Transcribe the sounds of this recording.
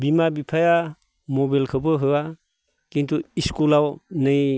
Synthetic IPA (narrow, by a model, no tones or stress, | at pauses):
bimabipʰaja | mɔbelkʰɯbɯɦɯa | kintʰuiskulawnɯj